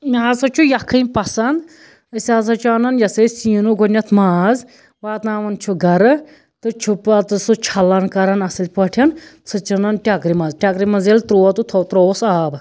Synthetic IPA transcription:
mʲaːzsɐt͡ʃʰujɐkʰːɨmʲpɐsɐnd̪ | əsʲaːsɐt͡ʃʰuanɐnjɐsesiːnuɡonʲɐt̪ʰmaːz | ʋaːt̪naːʋɐnt͡ʃʰuɡɐɾɨ | t̪ɨt͡ʃʰupɐt̪ɨsɨt͡ʃʰɐlːɐnkɐɾɐnɐsɨlʲpɐʈʰɐnt͡sʰɨt͡ʃɐnɐnʈʲakɾimɐzʈʲakɾimɐnzelt̪ɾoːɐt̪ut̪ʰot̪ɾoːsaːb

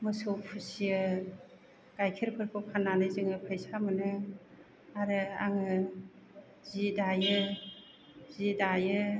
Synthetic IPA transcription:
mɯsɯwpʰɯsiɯ | ɡ̥ajkʰiɾpʰɯɾpʰɯpʰanːanɯzɯŋɯpʰajsamɯnɯ | aɾɯaŋɯ | zidajɯ | zidajɯ

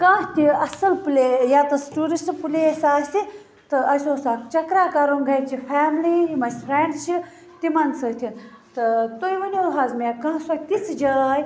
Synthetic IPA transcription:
kãːɦt̪ʲiɐsɐlpulʲejat̪ɐsʈuːɾɐnspulesaːsʲt̪i | t̪ɨɐsʲoːsaːkt͡ʃɐkɾaːkaɾoːnɡʱɐjt͡ʃʰipʰaːmliimɐspʰɾeɳɖt͡ʃi | t̪imɐnsət̪ʰint̪ɨt̪ojʋɐnʲoɦaːzmekãːsot̪it͡sd͡ʒaj

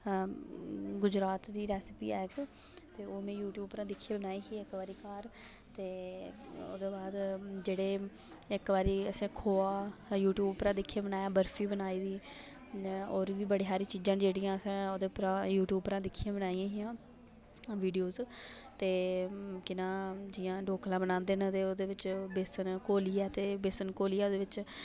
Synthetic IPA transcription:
ɡʊd͡ʒɾaːt̪d̪iːɾɛːsɪpḭːɛːk | t̪eːoːmẽːjuːʈjuːbpɾãːd̪ɪkʰːiãːbənaːiːsiːɪkʋaːɾiːkaːɾ | t̪eː | o̰ːd̪eːbaːd̪d͡ʒeːɽeː | ɪkʋaːɾiːəsẽːkʰoːaːjuːʈjuːbpɾãːd̪ɪkʰːijaːbənaːjãːbəɾfʰiːbənaːiːd̪iː | oːɾʋiːbəɽiːɦaːɾĩːt͡ʃiːd͡ʒãːd͡ʒeːɽijãːəsãːoːd̪eːpɾãːjuːʈjuːbpəɾãːd̪ɪkʰːijãːbənaːijãːɦɪjãː | ʋiːɖijoːzt̪eːkɪnãːd͡ʒɪjãːɖoːklãːbənãːnd̪eːnːd̪eːoːd̪eːʋɪt͡ʃbɪsənkoːliːɛːt̪eːbesənkoːliːaːoːd̪eːʋɪt͡ʃ

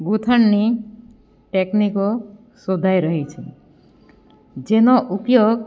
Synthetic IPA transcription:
ɡut̪ʰəɳːi | ʈekniko | sod̪ʱajɾəɦit͡ʃʰe | d͡ʒenɔʔupjoɡ

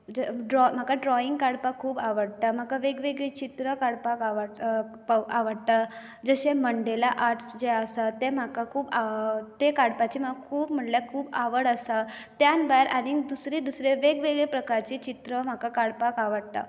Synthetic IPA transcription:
əɖɾɔm̤akaɖɾɔiŋɡkaɽpakʰːuːbaʋəɽt̪am̤akaʋeɡʋeɡɭet͡ɕit̪ɾəkaɽpakaʋə | paʋəɽt̪a | d͡zəɕeməɳɖelaʔaɾʈsd͡ʑeəsat̪em̤akakʰuːbat̪ekaɽpat͡ɕiːm̤aɡkʰuːbm̤əɳʈljakʰuːbaʋəɽəsat̪janbajɾʔaɽ̃id̪usɾid̪usɾeʋeɡʋeɡɭepɾəkaɾt͡ɕit͡ɕit̪ɾəm̤akakaɽpakaʋəɽt̪a̰

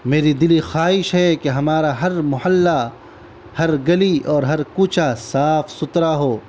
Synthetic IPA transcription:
meːɾid̪ɪlixaːɪʃɦɛkeɦɐmaːɾaɦɐɾmʊhəlːa | hɐɾɡɐliʔɔːɾɦɐɾkuːt͡ʃʰasaːfsʊt̪ɾaɦoː

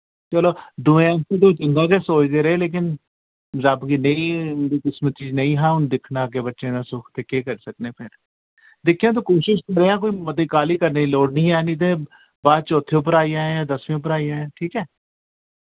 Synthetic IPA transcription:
t͡ʃəloːd̪ʊẽãːt̪ẽd̪oːt͡ʃəŋɡãːk̬esoːt͡ʃd̪eːɾəeːleːk̬ɪn | ɾabɡiːnəĩːnd̪iːkɪsmət̪̚t͡ʃiːznəĩːɦãːʊnd̪ɪkʰnaːk̬ebətːʃẽːnãːsʊkʰt̪eːkeːkəɾsəkneːpʰɪɾ | d̪ɪkʰːijãːt̪̬oːkoːʃɪʃkəɾeːãːk̬oːiːmət̪iːkaːliːkəɾneːiloːɽnĩːɛːnit̪̬ẽː | baːd̪̚t͡ʃɔːt̪ʰːeʊp̬əɾaːijãːjaːd̪əsʋẽːʊp̬əɾaːijãːjɛ̃ːʈʰiːkɛː

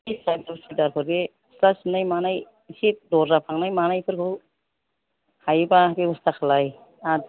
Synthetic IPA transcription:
isajdɔsidaɾkʰɯɾɡe | sɾasinajmanaj | sit̚dɔɾːapʰaŋnajmanajpʰɯɾkʰɯw | hajbabebɔstʰakʰalaj | a

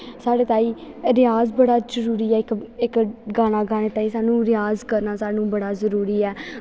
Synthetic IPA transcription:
saːɽeːt̪aːiːɾɪjaːzbəɽaːd͡ʒəɾuːɾiːɛːkɪkɡaːnaːɡaːneːt̪aːĩːsaːnũːɾɪjaːzkəɾnaːsaːnũːbəɽaːzəɾuːɾiːɛː

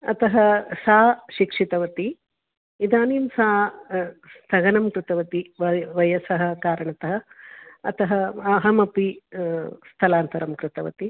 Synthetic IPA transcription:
ɐ̰t̪ɐɦɐsaːʃikʂit̪ɐʋɐt̪i | id̪aːniːmsaː | st̪ʰɐɡɐnɐmkut̪ɐʋɐt̪iʋɐʋɐjɐsɐɦɐ̆kaːɾɐɳɐt̪ɐɦɐɐt̪ɐɦɐɐɦɐmɐpi | st̪ʰɐlaːnt̪ɐɾɐmkɾɪt̪ɐʋɐ̰t̪i

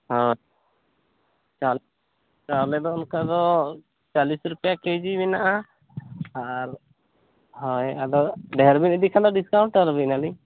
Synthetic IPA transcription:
hɔj | t͡ʃal | t͡ʃaɾlɛd̪ɔɔnkad̪ɔ | t͡ʃalisɾupɛjakejd͡ʒimɛnaʔa | aɾ | ɦɔjad̪ɔɖɛɦɛɾbinid̪ikʰand̪ɔɖiskawɳʈaɾbinali

